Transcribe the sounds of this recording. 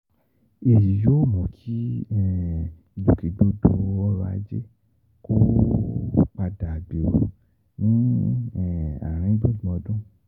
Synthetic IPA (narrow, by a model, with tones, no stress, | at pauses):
e˨ji˨jo˦mɔ̃˨kʰi˦ɛ˦˨ | i˨lu˨ke˨do˦do˧˦˧ɔ˦ɾa̰˧˨˧d͡ʒḛ˦ | ko˦ | k͡pa˧da˨a˨bi˨o̰˨ | nĩ˦˨ | a̰˨ɾ̃ĩ˧˦bõ˦˨ɡ͡bũ˨ɔ̃˧dũ˦